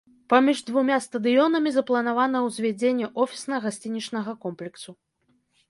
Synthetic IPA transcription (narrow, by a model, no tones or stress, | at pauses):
pamʲiʐd̪vumʲast̪ɐd̪ɨjɔnɐmʲizɐplˠɐnavan̪ɐwzʲvʲad͡zʲenʲːɛʔɔfʲi̥snɐɣasʲt͡sʲinʲit͡ʂnɐɣɐkɔmplʲɛksu